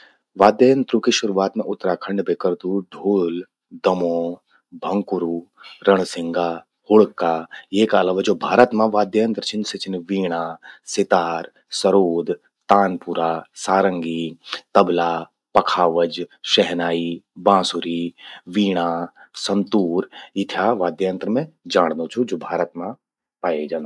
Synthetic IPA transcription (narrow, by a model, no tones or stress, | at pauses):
ʋaːd̪jəjə̃nt̪ɾukiʃʊɾuːaːt̪mẽʔʊt̪ːɾakʰə̃ɳɖbʱekəɾd̪uɖʱoːl | d̪ɐmõː | bʱɐ̃ŋkʊɾuːɾəɳ̃sɪ̃ŋɡaː | hʊɭkːaːjeːkaɐlaːʋaːd͡ʒoːbʱaːɾət̪mãʋaːd̪jəjə̃nt̪ɾət͡ʃʰɪnset͡ʃɪnʋiːɽ̃asɪt̪aːɾ | sɐɾoːd̪ | t̪aːnpʊɾasaːɾə̃ŋɡit̪ɐbla | pɐkʰaːʋəd͡ʒʃɛɦnaːibãːsuɾiʋiːɽ̃asɐnt̪uːɾɪt̪ʰjaʋaːd̪jant̪ɾəmẽd͡ʒaːɽ̃d̪ot͡ʃʰud͡ʒoːbʱaːɾət̪mã | paːed͡ʒaːnd̪